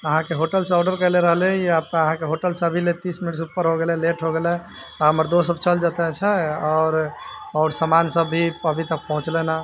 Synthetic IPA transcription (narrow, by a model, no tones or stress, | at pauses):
əɦãkeɦoʈəlsɔʊɖəɾkəɪleɾəɦleiapəɦãkeɦoʈəlsəbʱilet̪isminiʈs̬upːəɾɦoɡelɛleʈʰɦoɡelɛ | aɦəməɾd̪os̬əbt͡ʃəld͡ʒət̪ɛt͡ʃʰɛɔːɾɔʊɾsəmansəbːʱiəbʱit̪ək̚pəɦũt͡ʃlɛna